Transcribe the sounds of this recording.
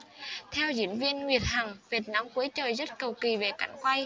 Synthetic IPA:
t̪ʰɛ˧wzḭ˧˥ənvi˧ənŋwi˨˩ət̚ha˨˩ŋvi˨˩t̚na˨˧˥mku˨˦əjt͡ɕəː˨˩jzə˦˥t̚kə˨˩wki˨˩ve˨˩ka˧˩jŋ̟kwa˧j

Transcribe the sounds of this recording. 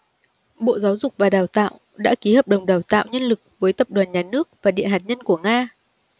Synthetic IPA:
ɓo̰˧˨zaː˨˦wzʊ˨˩k͡p̚vaː˨˩ɗaː˨˩wt̪a̰ː˧˨w | ɗa̰ː˧˥ki˨˦həː˨˩p̚ɗə˨˩wŋ͡mɗaː˨˩wt̪a̰ː˧˨wɲə˧nlɨ˨˩k̚vəː˨˦jt̪ə˨˩p̚ɗwaː˨˩nɲaː˨˩nɨ˦˥ək̚vaː˨˩ɗḭ˧˨ənɦaː˨˩t̚ɲə˧nku˧˩əŋaː˧

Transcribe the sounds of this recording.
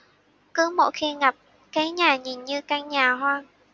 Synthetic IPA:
kɨ˨˦mo̰˧˨jxi˧ŋa˨˩p̚ | ka˨˦jɲaː˨˩ɲi˨˩nɲɨ˧kaː˧ŋɲaː˨˩ɦwaː˧

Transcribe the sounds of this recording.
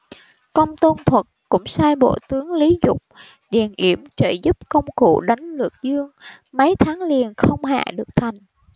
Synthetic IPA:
kə˧wŋ͡mt̪o˧nt̪ʰwə˨˩t̚kʊ̰˧˥ŋ͡msaː˧jɓo̰˧˨t̪ɨ˨˦əŋli˨˦zʊ˨˩k͡p̚ | ɗḭ˨˩ənʔi˧˩əmt͡ɕə̰ː˧˩jzu˦˥p̚kə˧wŋ͡mkṵ˧˨ɗa˨˦jŋ̟lɨ˨˩ək̚zɨ˧əŋ | mə˨˦jt̪ʰaː˨˦ŋli˨˩ənxə˧wŋ͡mɦa̰ː˧˨ɗɨ˨˩ək̚t̪ʰa˨˩jŋ̟

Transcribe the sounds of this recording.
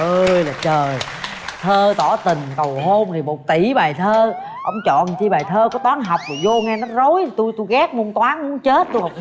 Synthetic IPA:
ʔəː˧jlaː˨˩t͡ɕəː˨˩j | t̪ʰəː˧t̪ɔ˧˩˦t̪ï˨˩ŋ̟kə˨˩wɦo˧mt̪ʰi˨˩mo˨˩t̚t̪i˧˩˦ɓaː˨˩jt̪ʰəː˧ | ʔə˧wŋ͡mt͡ɕɔ̰˧˨nt͡ɕi˧ɓaː˨˩jt̪ʰəː˧kɔ˨˦t̪waː˨˦nɦa˨˩wk͡p̚voː˨˩jzo˧ŋɛ˧nɔ˨˦zo˨˦jt̪u˧jt̪u˧jɣa˦˥k̚mu˧ənt̪waː˨˦nmu˧˦nt͡ɕe˦˥t̚t̪u˧ha˨˩w̚

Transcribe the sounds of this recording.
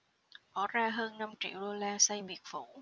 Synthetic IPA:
kɔ˨˦zaː˧ɦəː˧nːa˧mt͡ɕḭ˧˨əwɗo˧laː˧sa˧jɓi˨˩ət̚fu˧˩˦

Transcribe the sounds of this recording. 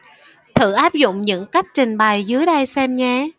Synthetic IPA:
t̪ʰɨ̰˧˩ʔaː˦˥p̚zʊ̰˧˨ŋ͡mɲɨ̰˧˥ŋka˦˥jk̟̚t͡ɕï˨˩ŋ̟ɓa˨˩jzɨ˨˦əjɗə˧jsɛ˧mɲɛː˧

